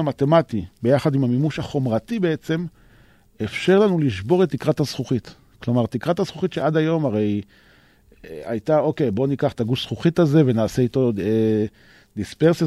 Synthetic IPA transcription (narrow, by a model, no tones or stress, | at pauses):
amat̪e̞matibe̞jaχad̪imhamimuʃhaχo̞mʁat̪ibeet͡se̞m | efʃe̞ʁlanuliʃbo̞ʁe̞t̪ːikʁathazχuχit | klo̞maʁt̪ikʁathasχuχit̪ʃeʔad̪ajo̞maʁe̞j | a̰jtao̞ke̞jbo̞nikaχt̪aɡufsχuχitaze̞venaːseito̞e | d̪ispeʁsa